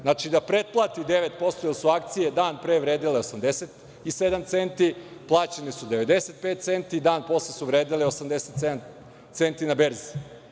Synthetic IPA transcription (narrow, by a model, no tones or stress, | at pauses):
znat͡ʃid̪apɾet̪̚plˠaːt̪id̪e̞ʋe̞t̪po̞st̪ojelˠsuak̚t̪sijed̪aːnpɾe̞ːʋɾeːd̪ileo̞samd̪eset̪ | ise̞d̪amt̪se̞nt̪iplˠaːt͡ɕenisud̪eʋe̞d̪e̞set̪̚pet̪̚t̪se̞nt̪id̪aːnpo̞slesuʋɾeːd̪ileo̞samd̪e̞set̪sed̪am | t̪se̞nt̪inabeɾzi